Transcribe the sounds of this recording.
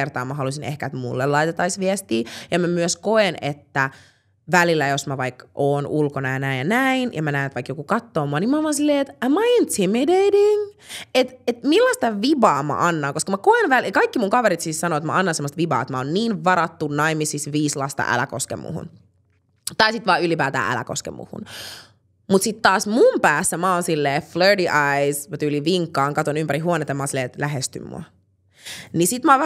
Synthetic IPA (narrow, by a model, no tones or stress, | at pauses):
ert̪ɑ̰ːmæɦɑlusinehkæet̪mṵlːelɑit̪et̪ːɑisʋiɛst̪iːjɑmæmyøskoenet̪ːæ | ʋælilːæjosmæʋɑikʔoːnulkonɑjɑnæːnjɑnæinjɑmænæːnet̪ʋɑikjokukɑt̪ːoːmuɑnimɑʋɑnsilːeːet̪ɑmɑjent̪emedediŋ | et̪et̪milːɑst̪ɑʋibɑːmæ̰ʔɑnːɑːŋkoskɑmækoenʋælikɑikːimuŋkɑʋeɾit̪siːssɑnoːet̪mæ̰ɑnːɑnsemːost̪ʋibɑ̰ːet̪mæonniːnʋɑɾɑt̪ːunnɑimisisʋiːslɑst̪ɑ̰ʔæ̰læ̰ko̰skḛmːṵhṵn | t̪ɑisit̪ʋɑːylipæːt̪æ̰ːʔæ̰læ̰ko̰skḛmːṵhṵn | mut̪sit̪t̪ːɑːsmumpæːsːæmæonsilːeːflø˞diʔɑismæt̪yliʋiŋkːɑːŋkɑt̪onympæɾihuonet̪ɑjɑmɑonsilːeːt̪læɦest̪y̰mːṵɑ | nisit̪mæːʋ